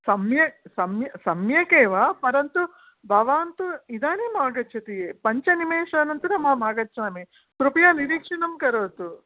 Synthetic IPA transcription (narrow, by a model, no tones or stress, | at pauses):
sɐmjɐsɐmjɐsɐmjɐkeːʋaːpɐɾɐnt̪u | bʱɐʋaːnt̪uid̪aːnimaːɡɐtːt͡ʃʰɐt̪ijeːpɐɲt͡ʃɐnimeːʂaːnɐnt̪uɾɐmɐɐmaːɡɐtːʃʰaːmeː | k̪ɾupjaːniɾiːkʂɐnɐmkɐɾoːt̪u